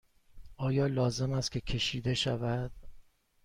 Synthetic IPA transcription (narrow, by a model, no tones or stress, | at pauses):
ʔɒːjɒːlɒːze̞mæst̪kʲʰe̞cʰe̞ʃiːd̪e̞ʃævæd̪̥